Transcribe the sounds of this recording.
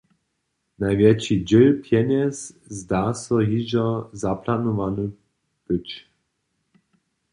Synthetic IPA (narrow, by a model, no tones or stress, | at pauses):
najvjɛt͡ʃid͡ʑɛlpʰjɛnɛszd̪aːsɔɦiʒɔzaplanuʋanu | b̥ɨt͡ʃ